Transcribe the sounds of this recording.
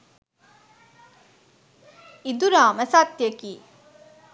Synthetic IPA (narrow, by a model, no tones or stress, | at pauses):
id̪uɾaːməsat̪ːjəkiː